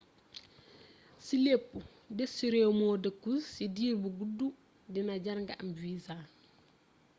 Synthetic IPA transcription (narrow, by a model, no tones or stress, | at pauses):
silepːu | dɛsiɾemɔːdɐkussidiːɾbuɡudːu | dinɐɟɐɾŋɡaʔɐmviːza